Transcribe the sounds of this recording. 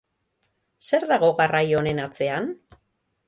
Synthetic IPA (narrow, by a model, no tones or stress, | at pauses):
se̞ɾðaɣo̞ɣarajo̞ne̞nat͡se̞an